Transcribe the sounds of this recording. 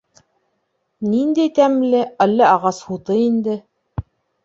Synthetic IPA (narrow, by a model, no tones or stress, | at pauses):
nind̪æjt̪æmlɘælːæɑʁɑshut̪ɤind̪ɘ